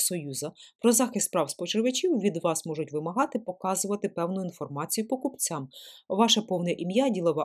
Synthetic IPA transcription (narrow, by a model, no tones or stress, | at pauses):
sɔjuzɐpɾɔzɑxɪspɾɑwspɔt͡ʃɪɾʋɪt͡ʃʲiwʋʲid̪ʋɑsmɔʒʊtʲʋɪmɐɦɑt̪ɪpɔkɑzʊʋɐt̪ɪpɛwnʊinfɔrmɑt͡sʲijʊpɔkʊpt͡sʲamʋɑʃɐpɔwnɐʔimjadʲilˠɔʋɑ